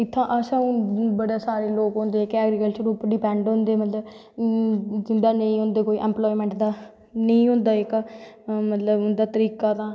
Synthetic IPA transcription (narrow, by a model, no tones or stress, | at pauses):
ɪt̪ʰːãːʔəsãːũːbəɽaːsaːɾeːloːkɦõːnd̪eːkɛːɡɾikəlt͡ʃəɾʊpɖipɛ̃ːɳɖɦõːnd̪eːmət̪ləb | ɪnd̪aːnəĩːɦʊ̃nd̪eːkoːiːʔɛ̃ːmplɔːimɛ̃ːɳʈd̪aː | nəĩːɦʊ̃ːnd̪aːɪk | mət̪ləbʊnd̪aːt̪əɾiːkaːt̪ãː